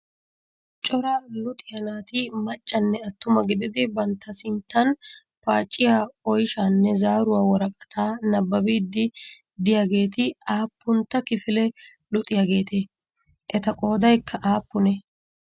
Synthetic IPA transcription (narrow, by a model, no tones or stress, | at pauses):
t͡ʃʼɔɾaːlʊt̪ʼɪjɐnaːt̪ɪmɐt͡ʃʼːɐnːɛɐt̪ːʊmɐɡɪd̪ɪd̪ɪbɐnt̪ːɐsɪnt̪ːɐn | paːt͡ʃʼːɪjaːɔjʃaːnːɛzaːɾʊwaːwɔɾɐkʼɐt̪ʰaːnɐbːɐbiːd̪ːɪ | d̪ɪjaɡe̞ːt̪ɪaːpːʊnt̪ːɐkɪfɪlɛ | lʊt̪ʼɪjaɡe̞ːt̪e | ʔɛt̪ɐkʼoːd̪ɐjkːɐʔaːpːʊnɛ